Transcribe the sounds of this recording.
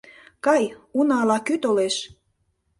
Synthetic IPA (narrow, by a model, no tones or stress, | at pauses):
kɑjunɑlɑkyt̪oleʃ